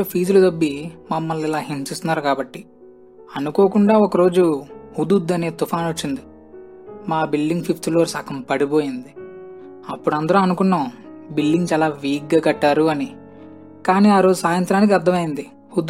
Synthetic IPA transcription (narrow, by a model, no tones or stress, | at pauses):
opʰiːd͡ʒulut̪ɐbːimɐmːɐlilaːɦimsist̪unːaːɾukaːbɐʈːi | ɐnukoːkuɳɖaːɔkɐɾo̞ːd͡ʒuhud̪ud̪ːɐne̞ːt̪upʰaːnot͡ʃːind̪i | maːbilɖiŋɡpʰipʰt̪ʰloːɾsaːkɐmpɐɽibo̞ːjind̪i | ɐpːuɽɐnd̪ɐɾoɐnukunːɐbilːiŋɡt͡ʃaːlaːʋiːɡaːɡɐʈːaːɾuɐni | kaːniːaːɾo̞ːd͡ʒusaːjɐnt̪ɾaːnik̬iɐɾd̪ʰʱɐmɐjind̪i | hud̪ː